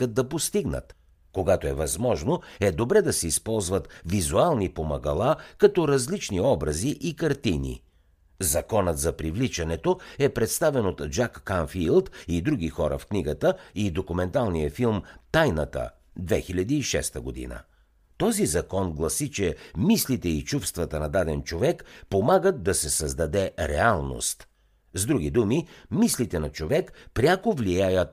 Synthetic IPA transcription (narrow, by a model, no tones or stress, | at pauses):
ət̪̚d̪ːɐpost̪iɡnə̰t̪ | koɡat̪oɛvɐzmɔʒnoɛd̪obɾɛd̪ɐsɛispɔlˠzvət̪vizualˠnipomɐɡɐlˠakɐt̪ɔɾɐzlit͡ʃniɔbɾɐziʔikɐɾt̪inḭ | zɐkɔnət̪zɐpɾivlit͡ʃɐnɛt̪oɛpɾɛt̪st̪avɛnot̪d͡ʒakːanfilˠt̪id̪ɾuɡ̟ʲixɔɾə̰fkniɡət̪əid̪okumɛnt̪alˠnijəfilˠmt̪ajnət̪ə̰ | d̪vɛxilʲɐd̪iːʃɛ̰st̪əɡod̪ḭnə̰ | t̪ɔzizɐkɔnɡlˠɐsit͡ʃɛmislit̪ɛit͡ʃufst̪vɐt̪ənɐd̪ad̪ɛnt͡ʃovɛkpomaɡət̪̚d̪ɐsɛsəzd̪ɐd̪ɛɾɛ̰alˠno̰st̪ | zd̪ɾuɡ̟id̪umimislit̪ɛnɐt͡ʃovɛkpɾʲjakovlijajət̪